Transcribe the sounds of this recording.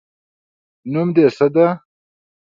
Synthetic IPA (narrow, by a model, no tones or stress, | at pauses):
numd̪eːsɐd̪a